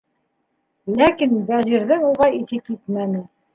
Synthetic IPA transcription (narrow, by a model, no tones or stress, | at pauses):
lækinbæʑiɾðɘŋuʁɑiθɘkːit̪mænɘ